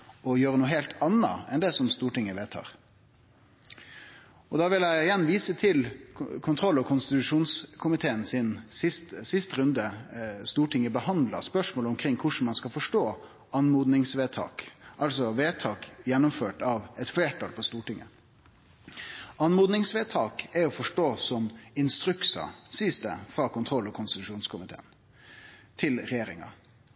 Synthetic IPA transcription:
ɔjøːɾənuːəɦeːlt̪ʰɑnːɑ̰ɛnd̪ɛsɔmst̪uːʈɪŋːəʋeːt̪ʰɑ̰ːɾ | ɔd̪ɑːʋɪlæɪɪjɛnːʋiːsət̪ʰɪlkʰʊnt̪ʰɾɔlːɔkʰʊnst̪ɪt̪ʉʂuːnskʰʊmɪt̪ʰeːənsɪnsɪst̪sɪst̪əɾʉnd̪əst̪uːʈɪŋːəbəhɑnd̪lə̰spœʂmoːləɔmkʰɾɪŋːkʰʊʂɳ̩n̩mɑnskɑfɔʂʈoː | ʔɑnmuːd̪nɪŋsʋeːt̪ʰɑ̰ːkʔɑlsɔʋeːt̪ʰɑːkjɛnːʊmføːʈɑʋɛt̪fleːʈʰɑlpʰɔst̪uːʈɪŋːə̰ | ɑnmuːd̪nɪŋsʋeːt̪ʰɑːkɛɔfɔʂʈoːsɔmɪnst̪ɾʉksɑ̰siːsd̪ɛ̰fɾɑːkʊnt̪ʰɾɔlːɔkʰʊnst̪ɪt̪ʉʂuːnskʊmɪt̪ʰḛːən | t̪ʰɪlɾɛjeːɾɪŋɑ̰

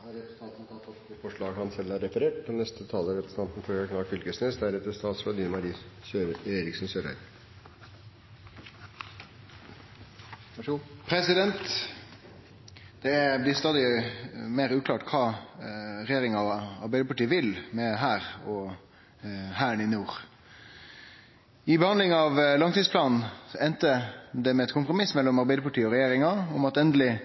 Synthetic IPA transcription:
ɑɛ̥t̪ʰɑːt̪nt̪ʰɑt̪ːɑt̪fɔʂɭɑːɡhɑnsɛlːæɾɛfəɾeːʈd̪ɛnnɛst̪ət̪ʰɑːləɾɛt̪ə̥st̪ʰɑnt̪n̩føɾkɑkʰnɑːkfʏlkəsneːsd̪æɾɛt̪əst̪ɑːt̪sʋɑd̪iːnmɑɾiːøeːɾɪksn̩søːɾæ̰ɪ | pʰɾɛsɪd̪ɛnt̪ | d̪̥ɛblɪst̪ɑːd̪ɪmeːɾʉːkʰlɑːʈkʰɑː | ɾɛjeːɾɪŋɑɔɑ̰ɾbæɪd̪əpɑʈiːəʋɪlmɛɦæːɾɔ | hæːəɳɪnjuːʁ | ɪbəhɑnd̪lɪŋɑʋlɑŋt̪iːspʰlɑːnn̩ɛnt̪əd̪ɛmɛɛt̪kʰʊmpʁʊmɪsmɛlːɔmɑɾbæɪd̪əpɑʈʰiːəɔʁɛjeːɾɪŋɑɔmɑt̪ɛnd̪əlɪ

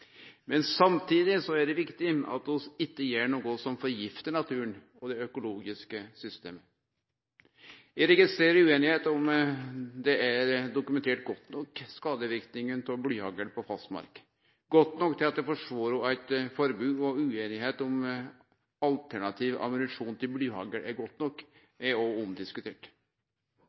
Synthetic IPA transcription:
mɛnsɑmt̪ʰiːd̪ɪsɔæɖɛʋɪkt̪ɪɑ̰t̪ɔsɪt̪ːəjeːɳoːɡɔsɔmfɔɾjɪft̪ənɑt̪ʰʉːən | ɔd̪ɛœkʊloːɡɪskəsʏst̪ḛːmə | ʋɪɾɛɡɪst̪ɾeːɾəɾʉːeːnɪheːt̪ʊm | d̪ɛæɾd̪ʊkʉmɛnt̪ʰeːʈɡɔt̪ːnɔkːskɑːd̪əʋɪɾkt̪nɪŋʉnt̪ʰɔblyːhɑːɡəlpʰɔfɑst̪mɑ̰ɾk | ɡɔt̪ːnɔkːt̪ʰɪlɑt̪̚d̪ɛfɔʂʋoːɾɔæɪt̪fɔɾbʉːɔʉːeːnɪheːt̪ʊm | ɑlt̪ʰæɳɑt̪ʰiʋʔɑ̰mʉnɪʂuːnt̪ʰɪlblyːhɑ̰ːɡəɾʔæɾɡɔt̪ːnɔkː | ɛɔɔmd̪ɪskʉt̪ʰeːʈ

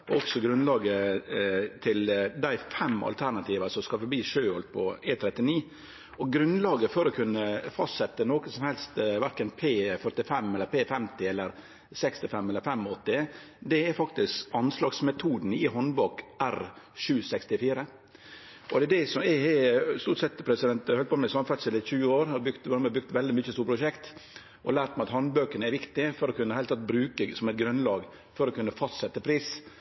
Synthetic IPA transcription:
ɔɔksɔɡɾʉnlɑːɡə | t̪ʰɪld̪æɪfɛmːɑ̰lt̪ʰæɾnɑt̪ʰiːʋɑsɔmskɑlfɔɾbiːʂøːɔlt̪̚pʰɔeːt̪ʰɾɛt̪ːɪniː | ɔɡɾʉnlɑːɡəfɔɾɔkʰʉnːəfɑst̪sɛt̪ːənoːkəsɔmhɛlst̪ʋæɾkənpʰeːfœɾʈ̪ɪfɛmːɛlːəɾpʰeːfɛmt̪ɪɛlːəɾ | sɛkst̪ɪfɛmːɛlːəɾfɛmːɔt̪ːɪd̪ɛɛɾfɑk̚t̪ɪskɑnslɑːɡsmɛt̪ʰuːd̪n̩ɪɦɔnbɑkʔæɾʃʉːsɛkst̪ɪfiːɾə | ʔɔd̪ɛd̪ɛsɔmɛhɛst̪uːʈsɛt̪ːpʰɾɛsɪd̪ɛnt̪hœlt̪pɔːmɛɪsɑmfɛt̪sɪlɪt̪çʉːəoːɾɑbʉɡt̪ʋmɛbʉk̚t̪ʋɛld̪ɪmʏçːəst̪uːɾpʰɾʊʂɛkt̪ | ʔɔ̰læːɾʈ̪mæɪɑt̪hɑnbøːkənəɛɾʋɪkt̪ɪfɔɾɔkʉnəhæɪlt̪ɑt̪ːbɾʉːkəsɔmɛɪt̪̚ɡɾʉnlɑːɡ | fɔɾɔkʉnːəfɑst̪sɛt̪ːəpʰɾiːs

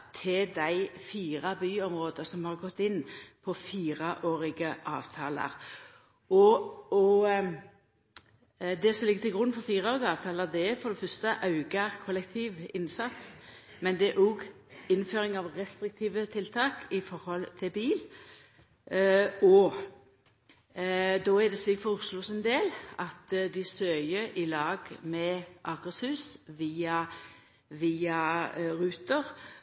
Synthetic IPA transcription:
t̪ʰɪld̪æɪfiːɾɑbyːɔmɾoːd̪əsɔmhɑɾʁɡɔt̪ːɪnːpʰɔfiːɾəʔoːɾɪɡəʔɑ̰ːʋt̪ʰɑ̰ːlə̰ɾ | ɔɔ | d̪ɛsɔmlɪɡət̪ʰɪlɡɾʉnːfɔɾfiːɾəoːɾɪɡəɑːʋt̪ʰɑːləʁd̪ɛɛfɔd̪ɛfœɾst̪əʔɑʉɡəɾkʰɔlːɛkt̪ʰiːʋɪnsɑt̪s | mɛnd̪ɛɛʔuɡ | ɪnføːɾɪŋɑʋɾɛst̪ɾɪk̚t̪ʰiːʋət̪ʰɪlt̪ʰɑːkɪfɔɾhɔlt̪ʰɪbiːl | ɔ | d̪ɔːæd̪ɛsɪfɔʊsluːsɛnd̪eːlɑt̪d̪ɪsøːjəɾʔɪlɑːɡmɛʔɑɡəshʉːsʋiːɑ | ʋiːɑɾʉːt̪əɾ

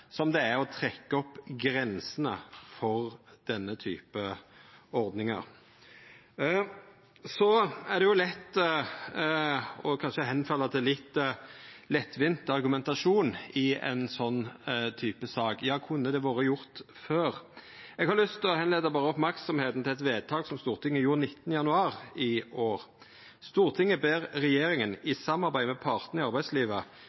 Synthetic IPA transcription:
sɔmd̪ɛæɾɔt̪ʰɾɛkːəɔpːɡɾɛnsənəfɔʁd̪̥ɛnːət̪ʰy̰ːpə | ɔɾd̪nɪŋɑ̰ɾ | sɔæʁd̪ɛjʊlɛt̪ː | ɔkʰɑnʃəɦɛnfɑlːɑt̪ʰɪlɪt̪ː | lɛt̪ːʋɪnt̪ɑɾɡʉmɛnt̪ɑʂuːnɪɛ̰nsɔnːt̪ʰyːpəsɑːkjɑːkʰʉnːəd̪ɛʋɑːɾəjʊɾt̪føːɾɛɡhɑɾlʏst̪ʰlɔhɛnleːd̪ɑbɑːɾəɔpmæɾksɔmheːt̪n̩t̪ɪlɛt̪ʋeːd̪̚t̪ʰɑːɡsɔmst̪uːɾt̪ʰɪŋːəjuːɾnɪt̪ːənəjɑnʉɑːɾɪʔoːɾ | st̪uːɾt̪ʰɪŋːəbeːɾɾɛjeːɾɪŋənɪsɑmːɑɾbæɪmɛpʰɑɾt̪n̩ɪɑɾbæɪsliːʋə

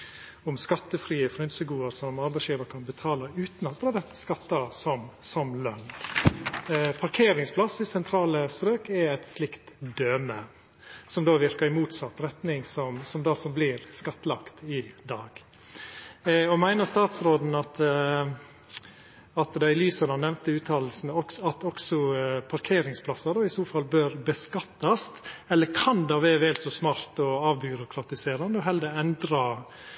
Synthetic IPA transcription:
ʊmskɑt̪ːəfɾiːəfɾʏnsəɡuːəɾsɔmɑɾbæɪsjiːʋəɾkʰɑnbət̪ʰɑːləʉːt̪nɑt̪̚d̪ɾɑːd̪ɛt̪ːə̥skɑt̪ːəəsɔmsɔmlœnː | pʰɑɾkʰeːɾɪŋspʰlɑsːɪsɛnt̪ʰɾɑːləst̪ɾøːkɛɛt̪slɪkt̪d̪øːmə | sɔmd̪oːʋɪɾkəɾɪmuːt̪sɑt̪ːɾɛt̪nɪŋsɔmsɔmd̪ɑsɔmblɪɾskɑt̪ːəlɑkt̪ɪd̪ɑːɡ̥ | ɔmæɪnəst̪ɑːt̪sɾoːd̪n̩ɑt̪ | ɑt̪d̪ɑɪlyːsɑd̪ɑnɛʋnt̪əʉːt̪ʰɑːll̩sn̩ɔkɑt̪ɔksɔpʰɑɾkʰeːɾɪŋspʰlɑsːɑd̪oːɪst̪uːɾfɑlbøːɾbəskɑt̪ːɑst̪ɛlːəkʰɑnd̪ɑːʋɛʋɛːlsɔsmɑːɾt̪ɔɑːʋbʏɾʊkʰɾɑt̪ɪseːɾɑnd̪əɔɦɛld̪əɛnd̪ɾɑ

